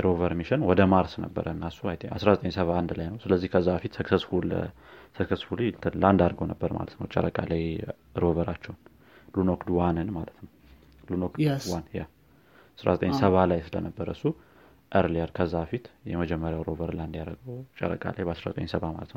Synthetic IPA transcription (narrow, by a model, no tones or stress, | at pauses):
jɾovəɾmiʃənwɔd̪əmaɾsnə̰bːə̰ɾʔəɨnːasːuajt̪ʰa̰sɾazət̪ʼəɲsəβaːnd̪lajnəwsɨləzːihkʰəzːabəfit̪səksəsfulə̰səksəsfulilt̪ʰɨnland̪aɾɡəwnəbːəɾma̰lət̪nə̰wt͡ʃʼə̰ɾəkʼalaj | ɾovəɾat͡ʃːɛwn | lunokd̪wanɨnmalət̪nəw | lunok̪wanja | asɾa̰zət̪ʼəɲsəβalajsɨlənəbːəɾəsːu | ʔəɾljɛɾkʰəzːabəfit̪jɛməd͡ʒɛmːəɾjawɾovəɾland̪jaɾəɡəwt͡ʃʼɛ̰ɾə̰kʼa̰lajbəasɾazət̪ʼə̰ɲsəβama̰lət̪nəw